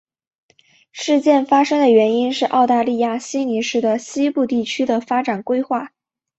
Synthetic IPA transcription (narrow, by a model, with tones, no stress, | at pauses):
ʂɻ̩˥˧t͡ɕjɛ˥˩nfa˥ʂɤ˥ŋd̪ə˨ɥɛ˧˥ni˥nʂɻ̩˥˧ʔɑ˥˧ʊt̪a˥˧li˥˧ja˥˩ɕi˥ni˧˥ʂɻ̩˥˩d̪ə˩ɕi˥pu˥˧t̪i˥˩t͡ɕʰy˥d̪ə˨fa˥ʈ͡ʂa˨˩nkwe˥ɪxwa˥˩